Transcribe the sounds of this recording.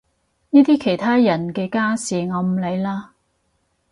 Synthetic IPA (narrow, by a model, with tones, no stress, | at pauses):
niː˥t̪iː˥kʰe˨˩jt̪ʰaː˥jɐ˨˩nkɛː˧kaː˥siː˨˩ŋɔː˨˧m̩˨˩le˨˧jlaː˧